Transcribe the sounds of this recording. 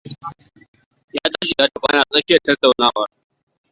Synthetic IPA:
jaː˦taː˦ʃi˨ja˦dɐ˨ɸʼa̰ː˦naː˨sʼɐ˦kʲɪ˦jɐ˨tɐ˦ta˨wnaː˦wɐ˨r

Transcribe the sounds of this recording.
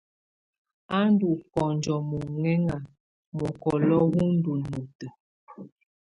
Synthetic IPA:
a˦n˦du˨kɔ˨n˨d͡ʒɔ˨mɔ˨ŋɛ˦ŋa˨ | mɔ˨kɔ˨lɔ˦wu˦n̩˦du˨nu˨tə˨

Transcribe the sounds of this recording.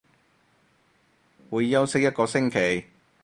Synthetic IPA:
wuː˨˧jːɐ˥wsɪ˥k̚jɐ˥t̚kɔː˧sɪ˥ŋkʰe˨˩j

